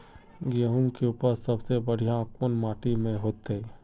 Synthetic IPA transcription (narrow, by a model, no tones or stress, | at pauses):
ɡəɦʊ̃ŋkeuːpəɾsəbsebəɽ̤ijãkonmaːʈimẽɦoːt̪ɦeː